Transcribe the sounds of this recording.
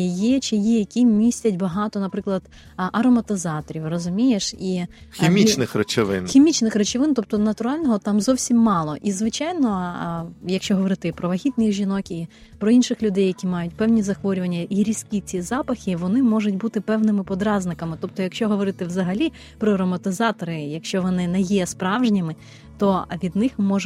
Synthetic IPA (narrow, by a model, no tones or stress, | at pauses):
jɛt͡ʃɪjijɐkʲimʲisʲtʲɐtʲbɐɦɑt̪ɔnɐpɾɪklˠɐd̪ | ʔɐɾɔmɐt̪ɪzɑt̪ɔɾʲiwrɔzʊmʲijeʃiximʲit͡ʃnɪxrɐt͡ʃɪʋɪ̰nxʲimʲit͡ʃnɪxrɐt͡ʃɪʋɪnt̪ɔp̚t̪ɔnɐt̪ʊɾɑlʲnɔɦɔt̪ɑmzɔwsʲimːɑlˠɔʔizʋɪt͡ʃɑjnɔ | jɐkʃt͡ʃɔɦɔʋɔɾɪt̪ɪpɾɔʋɐɦʲit̪̚nɪxʒʲinɔki | pɾɔinʃɪxlʲʊd̪ɛjːɐkʲimɑjʊtʲpɛwnʲizɐxʋɔɾʲʊʋɐnʲːɐʔiɾʲisʲkʲit͡sʲizɑpɐxʲɪʋɔnɪmɔʒʊtʲbut̪ɪpɛwnɪmɪpɔd̪ɾɑznɪkɐmɪt̪ɔp̚t̪ɔjɐkʃt͡ʃɔɦɔʋɔɾɪt̪ɪwzɐɦɐlʲi | pɾɔɾɔmɐt̪ɪzɑt̪ɔɾɪjɐkʃt͡ʃɔʋɔnɪnɛjɛspɾɑwʒnʲimɪ | t̪ɔʋʲid̪nɪxmɔʒ